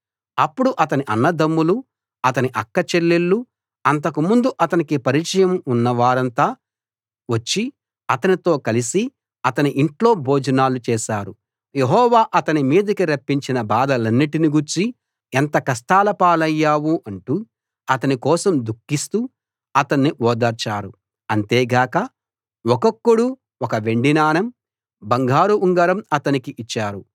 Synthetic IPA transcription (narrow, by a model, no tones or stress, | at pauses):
ɐpːuɽuʔɐt̪ɐniʔɐnːɐd̪ɐmːulu | ɐt̪ɐniʔɐkːɐt͡ʃelːelːu | ɐnt̪ɐkumund̪uʔɐt̪ɐnikipɐɾit͡ʃɐjɐmunːɐʋaːɾɐnt̪aː | ʋɐt͡ʃːi | ɐt̪ɐnit̪o̞ːkɐlisi | ɐt̪ɐniʔiɳʈlo̞ːbʱoːd͡ʒɐnaːlut͡ʃɛːʃaːɾu | jeɦɔːʋaːʔɐt̪ɐnimiːd̪ɐkiɾɐpːiɲt͡ʃinɐbaːd̪ɐlɐnːiʈiniɡuɾt͡ʃi | ent̪ɐkɐsʈ̪aːlɐpaːlɐjːaːwuʔɐɳʈu | ɐt̪ɐnikɔːsɐmd̪ukːist̪u | ɐt̪ɐnːiʔɔːd̪ɐɾt͡ʃaːɾu | ɐnt̪eːɡaːkɐ | wɔkɐkːuɽu | ɔkɐʋe̞ɳɖinaːnɐm | bɐŋɡʱaːɾuuŋɡɐɾɐmɐt̪ɐnikiʔit͡ʃːaːɾu